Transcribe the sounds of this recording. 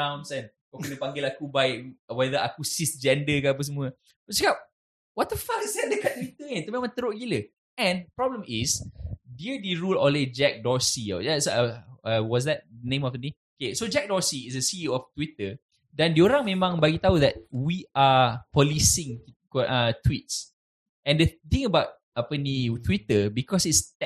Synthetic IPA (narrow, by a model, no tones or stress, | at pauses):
ãwnsɛn | kɔkənəpaŋɡɪlakubaɪʔwɛðəakusisd͡ʒɛndəkaap̬əs̬əmũə | bəsəkap̚ | wɔt̪əfaksɛdəkatt̪̚ːwit̪əɲant̪omẽmãŋt̪əɾoʔɡilə | ɛ̃npɾɔbləmisdiədiɹulɔ̃led͡ʒɛk̚dɔɹsiɔ̰ɛsəwɔs̬dɛt̚dənẽmɔfənĩ | okesod͡ʒɛk̚dɔsiːsəsiɔft̪wit̪ə | dɛ̃ndioɾãŋmẽmãŋbaɡit̪aud̪ɛt̚wiʔapɔlisĩŋkʔət̪wit̚s | ɛ̃ndət̪ĩŋəbaʊt̚ | apənit̪wit̪əbikɔsitst